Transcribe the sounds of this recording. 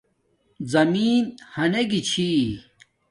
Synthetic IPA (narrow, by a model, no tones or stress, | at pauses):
zɐmiːnhɐneɡit͡ɕʰi